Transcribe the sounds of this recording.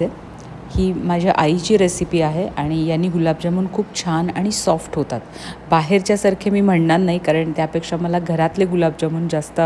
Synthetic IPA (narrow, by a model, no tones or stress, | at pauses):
e | hiːmad͡ʑʱjaʔajit͡ɕiːɾesipiːaɦeʔaɽ̃ijanːiːɡulabd͡ʑəmuːnkʰuːpt͡ɕʰanaɽ̃isɔfʈɦot̪at̪ | baɦeɾt͡ɕjasaɾkʰemiːm̤əɳnat̪naikaɾəɳt̪japekʂaməlaɡʱəɾat̪leɡulab̚d͡ʑəmuːnd͡zast̪ə